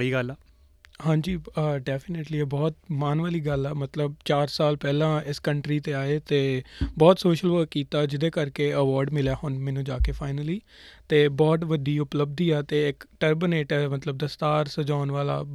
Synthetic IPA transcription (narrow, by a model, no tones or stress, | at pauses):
ɽiːɡəlɛː | hãːɲd͡ʒiːəɖɛːpʰɪneːʈliːɛbɔːt̪̚maːnʋaːliːɡəlɛːmət̪ləb̚t͡ʃaːɾsaːlpɛːlãːɪskəɳʈɾiːt̪eːaːeːt̪eːbɔːt̪soːʃəlʋəːkːiːt̪aːd͡ʒɪd̪eːkəɾkeːəʋɔːɾɖmɪljaːhʊnmɛ̃ːnũːd͡ʒaːkeːpʰaːɪnəliː | t̪eːbɔːt̪ʋəd̪iːʊpləb̚d̪iːɛːt̪eːɪkʈəɾbɪneːʈɛmət̪ləb̚d̪əst̪aːɾsəd͡ʒaːʊnʋaːla̰ː